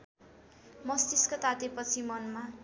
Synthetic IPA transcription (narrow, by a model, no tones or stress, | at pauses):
mʌst̪iskot̪at̪epʌt͡sʰimʌnma